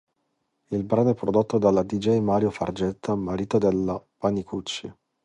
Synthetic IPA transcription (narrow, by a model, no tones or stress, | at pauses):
ilbɾanoɛpːɾod̪ot̪ːod̪alad̪id͡ʒɛjmaːɾjofa̰rd͡ʒɛt̪ʰːamaɾiːt̪od̪elapanikut͡ʃːḭ